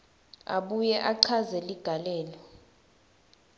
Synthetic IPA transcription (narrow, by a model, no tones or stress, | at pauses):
a̰ɓujɛʔaǀʰazɛliɡ̥ʱalɛːlɔ